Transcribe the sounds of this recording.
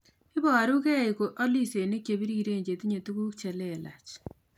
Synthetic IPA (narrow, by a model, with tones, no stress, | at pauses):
ɪ˦bɔ˦a˨ɾu˦ke˦˨i˨ko˨ʔɔ˦li˦se˨nɪ˦kje˨bi˦ɾi˦ɾe˦˨ɲd͡ʒe˨ti˦ɲe˨tu˦ku˦kt͡ʃɛ˨lɛ˦˨la̰˨t͡ʃ